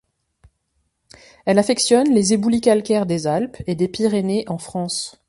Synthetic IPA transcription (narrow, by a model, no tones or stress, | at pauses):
ɛlafɛksjɔnlezebulikʲalkʲɛʁd̪ezalped̪epiʁeneʔɑ̃fχɑ̃s